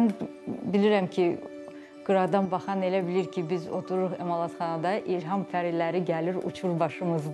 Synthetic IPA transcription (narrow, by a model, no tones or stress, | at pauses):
nbiliɾæmcʰi | ɡ̥ɯɾɑd̪ɑnbɑχɑne̞læbiliɾcʰibizo̞t̪ʰuɾuɾuχemɑlˠɑt̪χɑnɑd̪ɑʔilɦɑmfæɾilːæɾiɟæliɾṵt͡ʃʰuɾbɑʃɯmɯz